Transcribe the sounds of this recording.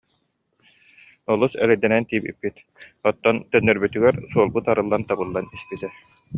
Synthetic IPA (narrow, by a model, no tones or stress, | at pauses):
ɔlˠusɛ̰lɛd̪ɛnɛnt̪iːpḭpːit̪ | ɔt̪ːɔnt̪œnːœɾbyt̪yɡɛɾsuɔlˠbut̪aɾɯlˠːant̪abɯlˠːanispit̪ɛ